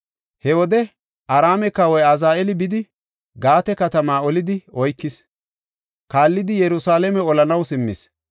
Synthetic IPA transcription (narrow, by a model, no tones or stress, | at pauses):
hɛwɔd̪ɛ | ʔɐɾaːmɛkɐwɔjɐzaːɛlɪbɪd̪ɪ | ɡaːt̪ɛkɐt̪ɐmaːɔlɪd̪ɪʔɔjkːɪs | kaːlːɪd̪ɪjɛɾʊsaːlɛmɛɔlɐnɐwsɪmːɪ̰s